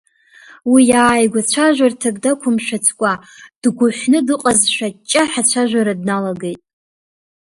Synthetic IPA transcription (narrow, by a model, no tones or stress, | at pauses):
wijaːjɡʷat͡ɕʷʰaʒᶣʷartʰaɡʼdakʷʰʊmʃᶣat͡sʰkʷʼad̥ɡʷʊħʷnɨdɨqʼazʃᶣat͡ʃʼːaħat͡ɕʷʰaʒᶣʷaɾadnalaɡejtʼ